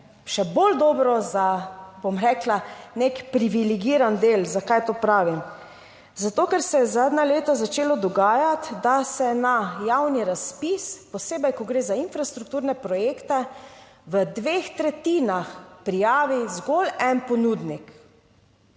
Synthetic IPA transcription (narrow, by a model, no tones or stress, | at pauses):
ʃɛbold̪ɔːbɾɔzabomɾɛklanekpɾiʋiliɡiːɾand̪eːlzakajt̪oːpɾaːʋim | zat̪oːkɛɾsɛjɛzaːd̪naleːt̪azat͡ʃeːlɔd̪ɔɡaːjat̪d̪asɛnajawniɾaspispɔseːbɛjkɔɡɾeːzainfɾast̪ɾuk̚t̪uːɾnɛpɾɔjeːkt̪ɛ | ʋəd̪ʋeːxt̪ɾɛt̪iːnaxpɾijaːʋizɡolɛnpɔnuːd̪nik